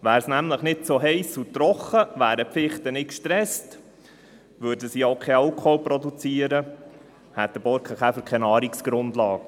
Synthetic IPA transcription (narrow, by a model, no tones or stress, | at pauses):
ʋæːɾsnæmləχnɪtsoɦɛɪsut̪ɾɔχəʋæːɾəfɪχtənɪkʃtɾɛst | ʋʉɾdəsioʊkʰɛɑʊkʰɔprɔdut͡siːəɾə | hɛt̪̚d̪əb̥ɔɾkχəχæfəɾkʰɛnɑːɾiksɡ̥ɾʊndlɑːk